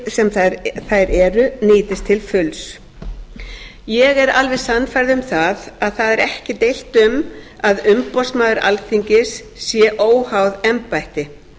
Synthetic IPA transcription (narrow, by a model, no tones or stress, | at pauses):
sɛmθajɾɛɾʏnɪːt̪ɪst̪ʰɪlfʏls | jɛɣɛɾalvɛðsanːfajɾðɪʏmθaðaðθaðɛɾɛhcɪt̪ejl̥t̪ʏm | aðʏmpɔsmaːðʏɾʔa̰lθʰiɲcɪsː | jɛʔoːwhawðɛmpajht̪ɪ